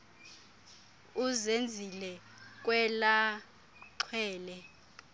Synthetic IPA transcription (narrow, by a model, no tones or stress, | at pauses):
uzend͡zʱilɛ | k̬wɛla | ǃʰwɛːlɛ